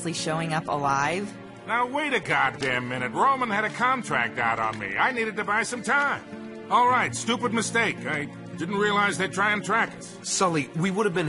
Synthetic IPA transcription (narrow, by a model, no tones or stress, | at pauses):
liʃoʊɪ̃ŋʌpə̰laɪv̥ | naʊweɪɾɨɡɑdæ̃mmɪ̃ñɨt̚ɹoʊmə̃nɨɾɨkʰɑ̃ntʰɹ̥æ̰k̚taʊɾn̩mḭa̰ɪniɾɨd̚tɨbaɪsʌ̃mtʰãɪ̃m | ɔlˠɹaɪtstupɨd̚mɨsteɪkaɪ | dɪdⁿn̩t̚ɹiəlaɪzðeɪd̚tʰɹ̥aɪɨ̃ntʰɹ̥ækɨs | sʌlˠiwiwʊɾɨvbɨ̃n